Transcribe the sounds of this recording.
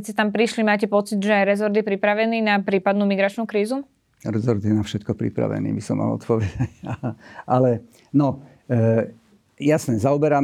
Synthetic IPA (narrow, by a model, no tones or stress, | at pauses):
t͡siɛt̪ampɾiʃlimaːcɛpɔt͡sid̪ʒɛajɾɛzɔɾd̪jɛpɾipɾaʋɛniːnapɾiːpad̪nuːmiɡɾat͡ʃnuːkɾiːzu | ɾɛzɔɾd̪jɛnafʃɛt̪kɔpɾḭpɾa̰ʋɛ̰nḭːbisɔma̰lɔ̰t̪pɔʋɛd̪acaʔalɛ | nɔ | jasɲɛzaɔbɛɾa